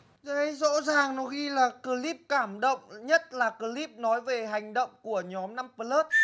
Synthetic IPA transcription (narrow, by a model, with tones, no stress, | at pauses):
zə˨˧˦jzo̰˧˥zaː˨˩ŋnɔ˨˦jxi˧laː˨˩kɨ˧li˦˥p̚kaː˧˩mɗə̰˧˨wŋ͡mɲə˦˥t̚laː˨˩kɨ˧li˦˥p̚nɔ˨˦jve˨˩ɦa˨˩jŋ̟ɗə̰˧˨wŋ͡mku˧˩əɲɔ˨˦mna˧mpə˧ləː˦˥t̚